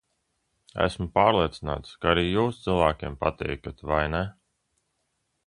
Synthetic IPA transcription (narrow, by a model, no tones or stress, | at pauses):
æ̰smʊpaːɾlˠiɛt̪sina̰ːt̪skaaɾiːjuːsd̪z̥ilˠvæːkʲiɛmpat̪ɛ̰jkat̪vajnɛ